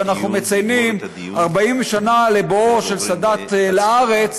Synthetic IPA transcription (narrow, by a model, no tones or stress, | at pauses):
anaχnume̞t͡sajnim | aʁbaimʃanalebooʃe̞lsadat̪laaʁe̞t͡s